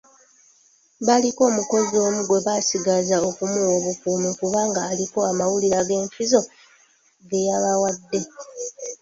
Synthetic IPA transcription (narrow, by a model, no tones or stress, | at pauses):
βaliko̞ːmuko̞zio̞ːmuɡo̞βasiɡazao̞kumuwo̞βukuːmikuβaːŋɡaːliko̞amawuliɾaɡe̞ːɱfizo̞ | ɡe̞jaβawadːe̞